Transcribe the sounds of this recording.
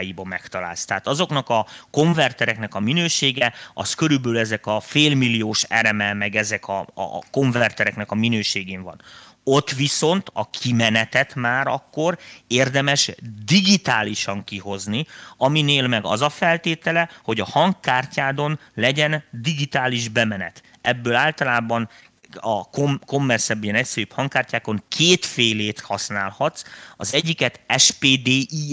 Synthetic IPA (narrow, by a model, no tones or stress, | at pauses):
jibɒmɛkt̪ɒla̰ːlst̪ɛːt̪ɒzo̞knɒkɒko̞ɱvɛrt̪ɛɾɛknɛkɒminøːʃeːɡɛɒskøɾybøːlɛzɛkɒfeːlmilːijoːʃɛɾɛmɛmɛɡɛzɛkɒ̰ko̞ɱvɛrt̪ɛɾɛknɛkɒminøːʃeːɡeːɱvɒ̰n | o̞t̪ːʋiso̞nt̪ʰɒkʰimɛnɛt̪ɛt̪maːɾɒkːo̞reːrd̪ɛmɛʃd̪iɡit̪aːliʃɒŋkiho̞zniɒmineːlmɛɡɒ̰zɒfɛlt̪eːt̪ɛlɛho̞ɟɒhɒŋkːaːrcaːd̪o̞nlɛɟɛnd̪iɡit̪aːliʒbɛmɛnɛ̰t̪ | ɛbːøːlaːlt̪ɒlaːbɒn | ɒkomko̞mːɛrsɛbøjɛnɛcsɛɾyphɒŋkːaːrcaːko̞ŋkʰeːt̪feːleːt̪hɒsna̰ːlhɒt̪sɒzɛɟːikɛt̪ɛʃpeːd̪eːʔi